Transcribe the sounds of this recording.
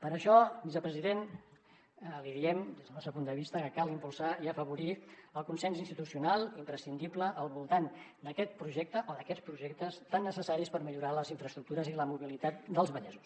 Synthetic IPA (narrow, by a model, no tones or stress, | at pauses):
pəɾəʃɔbizəpɾəziðen | liðiɛmd̪ezðənɔsəpund̪əβist̪əkəkalˠimpulˠsaiəfəβuɾiəlˠkunsɛnzinst̪it̪usiunalˠimpɾəsind̪ipləʔːlˠβulˠt̪and̪əkɛt̪̚pɾuʒɛk̚t̪əʔoðəkɛt͡spɾuʒɛk̚t̪əst̪anːəsəsaɾispəɾmiʎuɾaləziɱfɾəst̪ɾuk̚t̪uɾəziləmuβilit̪at̪d̪əlˠzβəʎɛzus